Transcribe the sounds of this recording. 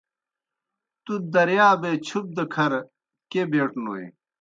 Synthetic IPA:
t̪ud̪ɐɾjaːbet͡ɕʰup̚d̪ɐkʰɐɾ | kebeːʈnuḛ

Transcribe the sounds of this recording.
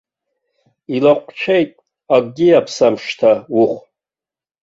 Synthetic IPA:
ilaqʷʼt͡ʃʷʰejtʼ | aɡʼɡʲiapʰsamʂtʰawuχʷ

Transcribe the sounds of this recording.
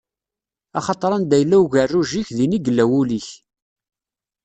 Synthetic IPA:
ɑχɑt̪ˤɾˤɑnd̪æjəlːæwʝərːuʒiçðiniɡəlːæwuliç

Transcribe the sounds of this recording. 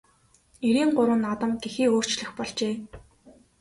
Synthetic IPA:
eɾiːŋɢʊɾə̆ːnːat̪ə̆mt̪exiːoːr̥t͡ɕɮɘ̆xpɔɮt͡ɕeː

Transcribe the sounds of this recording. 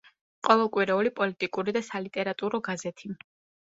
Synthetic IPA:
qʼɔvɛlˠkʼwiɾɛulipʼɔlit̪ʼikʼuɾid̪asalit̪ʼɛɾat̪ʼuɾɔɡazɛt̪ʰi

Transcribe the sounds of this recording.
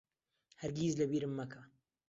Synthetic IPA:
hɐɾɡiːzlɐbiːɾɨmːɐkʰɐ

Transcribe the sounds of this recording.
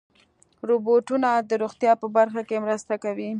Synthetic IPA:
ɾoboʈunad̪əɾoɣt̪jɑpəbaɾxakemɾəst̪akawi

